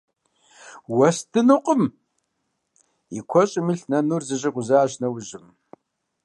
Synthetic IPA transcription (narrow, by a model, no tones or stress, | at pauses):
wɐstʰɨnuqʼəm | ikʷʰɔɕʼɪmiɬnɐnurzɨʑʼɪqʷʊzaʒnɐwʊʑɪm